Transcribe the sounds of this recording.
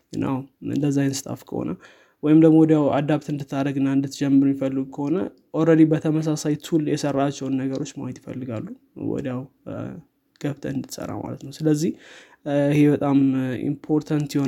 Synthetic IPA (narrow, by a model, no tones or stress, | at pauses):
ɨna̰wɨ̰nd̪əzːajnsɨ̥t̪ʼʰa̰fkʰə̰ho̰nə̰ | wɔjɪmd̪əɡmowɔd̪jawad̪aβt̪ɨnd̪ɨt̪ʰːaɾəɡɨnːaɨnd̪ɨt̪d͡ʒɛmːəɾumjifəlːɨɡukʰəho̞nə̰ | ʔoɾəd̪ibət̪ʰəməs̬asajt̪ʰuljɛsərːat͡ʃːɛwnːəɡəɾo̞t͡ʃːmajɛt̪jɪfə̰lːɨɡalːu | wɔ̰d̪jaw | ɡ̥əβt̪ʰəɨnd̪ɨt̪sʼə̰ra̰ma̰lət̪nəwsɨləzːih | ihe̞bət̪ʼamḭmpʰo̞ɾt̪ʰant̪jɛho